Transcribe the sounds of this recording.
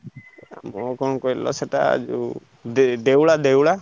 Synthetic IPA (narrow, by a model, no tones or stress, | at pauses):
mɔkɔ̃ɔkɔelɔ̰seʈa̰d͡ʒṵ | d̪ed̪ewɭad̪ewɭa